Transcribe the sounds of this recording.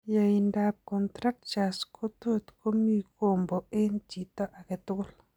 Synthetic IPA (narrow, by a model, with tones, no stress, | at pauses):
ja˨i˨nda˨p̚kɔ˨nt̪ɾa˦k̚t͡ʃa˨skʰo˦t̪o˦˨t̪ko˦mi˦ko˨mbo˨e˦nt͡ʃi˨t̪ɔ˦ʔa˨kɪ˨t̪ʊ˦l